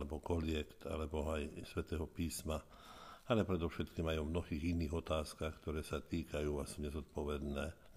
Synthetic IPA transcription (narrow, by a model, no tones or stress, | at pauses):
lɛbɔkɔlɪɛkt̪a̰lɛbɔajsʋɛt̪ɛːɦɔpiːsma | alɛpɾɛd̪ɔʃɛt̪kiːmajɔmnɔɦiːɣiniːɣɔt̪aːskaːxkt̪ɔɾɛːsat̪iːkʰajuːasɲɛzɔt̪̚pɔʋɛd̪nɛː